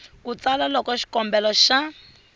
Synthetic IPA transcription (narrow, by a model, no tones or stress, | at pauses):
kut͡salalɔkɔʃi̥kɔmbɛlɔʃa